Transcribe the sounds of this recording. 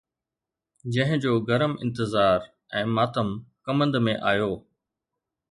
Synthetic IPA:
d͡ʑɐ̃ɦɪ̃d͡ʑoːɡɐɾəmɪ̰̃nt̪ɪzaːɾ | ɛ̃ːmaːt̪əmkɐmə̃nd̪mẽʔaːjoː

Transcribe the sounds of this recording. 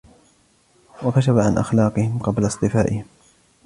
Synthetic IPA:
wakaʃafaʕanʔa̰xlɑːqɨhɪmqɑblasˤd̪ˤɨfaːʔɪhɪm

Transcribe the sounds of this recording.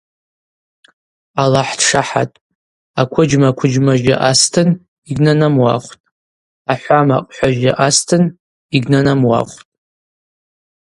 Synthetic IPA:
alaħdʂaħa̰tʼ | akʷʰʊd͡ʒmakʷʰʊd͡ʒmaʒa̰ʔastʰɨn | iɡnanamwa̰χʷtʼ | aħʷama̰qʼħʷaʒa̰ʔastʰɨn | iɡnanamwa̰χʷtʼ

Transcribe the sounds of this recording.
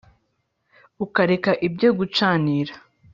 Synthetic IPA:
ukaɾe̞kaʔib̚ɟoɡut͡ʃaːniːɾa

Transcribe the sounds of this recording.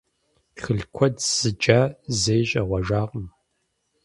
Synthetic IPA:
χɨɬkʷʰɔdz̥ɨd͡ʒʼaːzeːjɕʼɐʁʷɐʒaːqʼəm

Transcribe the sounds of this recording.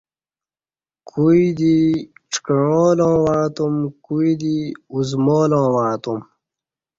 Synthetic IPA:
kʰuid̪iʈ͡ʂkɻoːlõːwaːt̪umkuid̪iuzmoːlõːwaːt̪um

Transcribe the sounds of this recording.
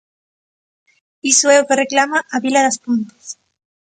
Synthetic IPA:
isweokereklamaʔaβilaðaspunt̪ḁs

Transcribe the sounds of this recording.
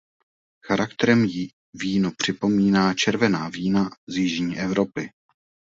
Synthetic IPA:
xaɾʔakt̪ɛɾɛmj | viːnupr̝̥ɪpo̞miːnaːt͡ʃɛɾvɛnaːviːnazjɪʒɲiːʔɛvɾo̞pɪ

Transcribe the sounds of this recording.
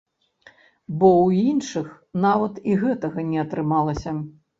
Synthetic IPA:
bɔwinʂɨx | navɐt̪iɣɛt̪ɐɣɐnʲɛɐt̪ɾɨmalˠɐsʲɐ

